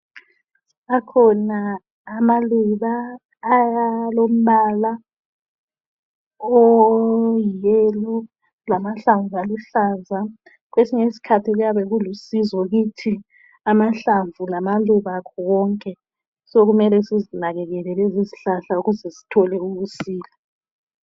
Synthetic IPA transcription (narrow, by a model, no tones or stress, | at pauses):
akʰɔnaː | maluβaː | jalom̩ɓala | ɔ | jjɛlɔ | lamaɬaɱvualuɬaːza | ɣwesiŋesi̥kʰatʰiɣujaβɛɣulusizɔɣitʰi | amaɬaɱvulamaluβakʰɔwɔːŋkʼɛ | soɣumɛlɛsizinaɣɛɣɛlɛleziziɬaɬauɣuzɛsi̥tʰɔlɛuβusiːlɛ